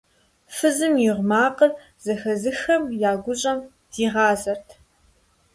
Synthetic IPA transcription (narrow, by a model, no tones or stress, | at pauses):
fɨzɨmjɪʁʷmaːqər | z̥ɐxɐzɨxɐmjaːɡʷʊɕʼɐm | d̥iːʁɑːzɐrtʰ